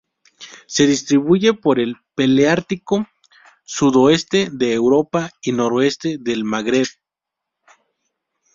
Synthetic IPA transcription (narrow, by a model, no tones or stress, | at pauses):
se̞ðist̪ɾiβuʝe̞po̞ɾe̞lpe̞leaɾt̪iko̞ | suðoe̞st̪e̞ðe̞ːwɾo̞paino̞ɾoe̞st̪e̞ðe̞lmaɣɾeβ